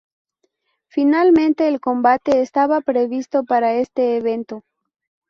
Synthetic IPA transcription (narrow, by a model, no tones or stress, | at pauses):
finalmẽ̞nt̪e̞ːlko̞mbat̪e̞ːst̪aβapɾe̞βist̪o̞paɾae̞st̪e̞ːβe̞nt̪o̞